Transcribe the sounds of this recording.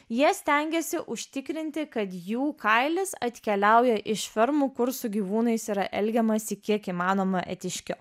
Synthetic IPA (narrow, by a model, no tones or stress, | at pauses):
jiɛsʲt̪ʲɛŋʲɡʲɛsʲɪʔʊʃʲt̪ʲɪkɾʲɪnʲt̪ʲɪkɐt̪juːkɐɪlʲɪsɐt̪ʲkʲɛlʲæˑʊjɛʔɪʃfʲɛɾmuːkʊɾsʊɡʲiːʋuːnɐɪsiːɾɐʔɛlʲɡʲɛmɐsʲɪkʲiɛkiːmɑːnoːmɐʔɛt̪ʲɪʃʲkʲʊ